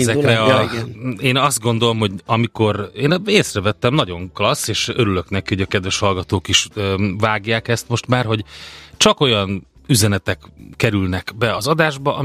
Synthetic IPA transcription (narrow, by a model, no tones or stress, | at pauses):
zɛkrɛɒ | eːnɒzd̪̚ɡo̞nd̪o̞lo̞mɦho̞ɟɒmiko̞ɾeːneːsrɛvɛt̪ːɛmnɒɟo̞ŋklɒsːeːʃøɾylø̞knɛkiho̞ɟɒkɛd̪vɛʃhɒlɡɒt̪oːkiʃvaːɡjaːkɛst̪mo̞ʃt̪maːrɦo̞ɟt͡ʃɒko̞jɒn | yzɛnɛt̪ɛkːɛɾylnɛkbɛɒzɒd̪aːʒbɒʔɒ